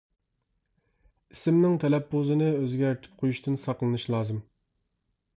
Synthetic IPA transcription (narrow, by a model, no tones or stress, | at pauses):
isɪmnɪŋt̪ʰɛlɛpʰːozɨnɨøzɡʲæɾt̪ʰy̥p̚qʰojuʃt̪ʰɨnsɑqlˠɨnɨʃlˠɑːzɨm